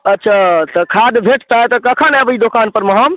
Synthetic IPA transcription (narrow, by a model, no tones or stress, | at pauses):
ətːʃʰat̪əkʰad̪bʱeʈʰt̪aet̪ɔkəkʰanɛbəid̪okanpəɾməɦəm